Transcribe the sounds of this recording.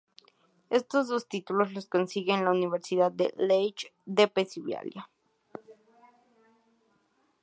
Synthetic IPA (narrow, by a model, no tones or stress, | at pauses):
est̪ozðost̪it̪ulosloskonsiɣeːnlauniβeɾsiðaðːḛlejt͡ʃd̪epesiβja̰lja